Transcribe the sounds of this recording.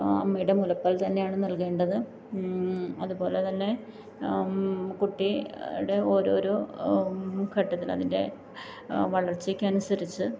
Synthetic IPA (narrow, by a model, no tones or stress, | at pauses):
ɐ̰mːejiɽemulɐpːɐːlt̪ɐnːe̞jaːɳɨnɐlke̞ːɳɖɐðɨ | ɐðubo̞ːle̞t̪ɐnːe̞ | kuʈːiɽe̞oɾo̞ːɾo | kʰɐʈːɐt̪ːilɐ̰ðinde̞̰ | ʋɐɭɐrt͡ɕːikʲːɐnusɐɾit͡ɕːɨ